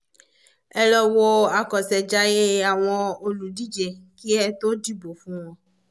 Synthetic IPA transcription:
ɛ˨lɔ˨wo˦a˨kɔ˨sɛ˨d͡ʒa˦je˦a˨w̃ɔ̃˧o˨lu˨di˦d͡ʒe˨ki˦ɛ˦t̪o˦di˦bo˨fũ˦w̃ɔ̃˦

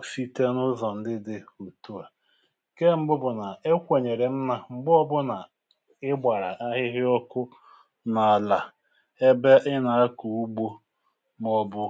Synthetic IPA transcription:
si˦te˦nʊ˦zɔ˨n̩˨dɪ˦dɪ˨u˨tu˦a˨ | ke˦m̩˦ɡ͡bʊ˦bʊ˨na˨e˦kʷe˨ɲe˨ɾe˨m̩˦na˨ŋ͡m̩˦ɡ͡bʊ˦ɔ˦bʊ˦na˨ | ɪ˦ɡ͡ba˨ɾa̰˨ʔa˦ɦɪ˦ɦɪ˦ɔ˦kʊ˦ | na˨a˨la˨ | e˦be˦ʔɪ˦na˨a˦ku˨u˦ɡ͡bo˦ | m˦ɔ˦bʊ˦

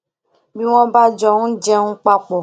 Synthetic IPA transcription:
mĩ˦w̃ɔ̃˦ba˦d͡ʒɔ˦ŋũ˦d͡ʒɛ˦ŋũ˦k͡pa˦k͡pɔ˨

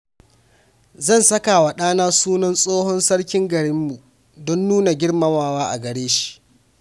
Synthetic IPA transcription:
zɐ˦˨nsɐ˦ka˨wa˨ɗaː˦naː˦suː˦nɔ˦nsʼoː˦hɔ˦nsɐ˦ɽkʲɪ˦ŋɡɐ˨ɽɪ˦mːu˨ | dɔ˦nːuː˦na˨ɡʲɪ˦ɽmɐ˨maː˨waː˦ʔa̰˨ɡɐ˨ɽeː˦ʃi̥˨ʔ

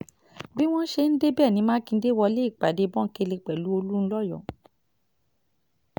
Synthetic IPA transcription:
bi˦w̃ɔ̃˦n̩˦ʃe˧n̩˦de˦bɛː˦˨nĩ˨˦mãː˦kĩ˧˦de˦wɔ˧le˦i˦˨k͡pa˨de˨˧bɔ̃˦ke˧le˧k͡pɛ˨lu˨˦o˧lu˦ñ̩˦lɔ˦˨jɔ̰̃˨

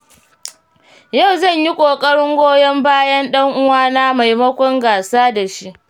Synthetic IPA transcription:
ja˦˨wzɐ˦˨ɲji˦kʷʼoː˨kʼɐ˦ɽɪ˦ŋɡʷoː˦jɐ˦mbaː˦jɐ˦nɗɐ˦ŋʔʊ˦waː˦na˦ma˨jmɐ˦kʷɔ˦ŋɡaː˨saː˦da˨ʃi˦ʔ

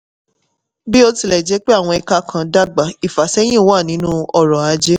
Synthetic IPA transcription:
bi˦o˧ti˨lɛ˨d͡ʒɛ˨˦k͡pe˦a˦˨w̃ɔ̃˧ɛ˧ka˦kʰã˧da˦ɡ͡ba˨i˨fa˨sɛ˦j̃ĩ˦˨˦wa˦˨nĩ˨˦nũ˦ɔ˧ɾɔ˨a˧d͡ʒe˦

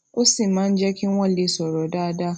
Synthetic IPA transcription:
ʔʊ˦si˨ma˦nd͡ʒa˦kʲɪ˦ŋwɐ˦˨li˦sɔ˨ɾo˨daː˦da˦

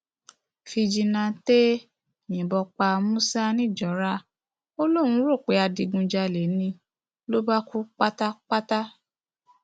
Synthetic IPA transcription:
fi˧d͡ʒi˧nã˧te˦ | ɲĩ˨bɔ˧k͡pa˧mũ˦sa˦nĩ˦˨d͡ʒɔ˨˦ɾa˦ | o˦lo˦˨w̃ũ˧˦ɾo˦˨k͡pe˨˦a˧di˧ɡũ˧d͡ʒa˧le˨˦nĩ˧ | lo˦ba˦ku˦k͡pa˦ta˦k͡pa˦ta˦

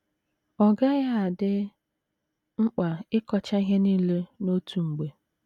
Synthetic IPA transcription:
ɔ˨ɡa˦ɣa˦a˨dɪ˦ | ŋ͡m̩˦k͡pa˨ɪ˦kɔ˦t͡ʃa˦i˦ɦe˦ni˦le˦no˦tʰu˨ŋ͡m̩˨ɡ͡be˨

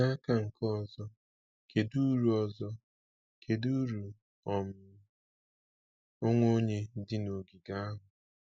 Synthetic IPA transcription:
na˦ka˦ŋ̩˨kɔ˦zɔ˦ | ke˨du˦ɾu˨ɔ˦˨zɔ˦ | kʰe˨du˦ɾu˨ | ɔ˨m̩˨ | o˦ŋʷo˦ɲe˦dɪ˦no˨ɡi˨ɡa˦a˦ɦʊ˨

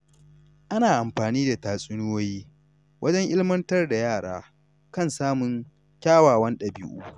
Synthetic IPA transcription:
ʔa˦naː˨ʔa˨mɸaː˨niː˦da˨taː˨sʼɪ˦nʊ˦woː˦jiː˦ | wʔɐ˦d͡ʒɛ˦ŋʔɪ˦lɪ˦mɐ˦ntɐ˦rda˨jaː˦˨ɽaː˦ | kɐ˦˨nsaː˦mʊ˨˦ŋ | kʲaː˦waː˨wɐ˦nɗɐ˨bɪ˦ʔuː˦

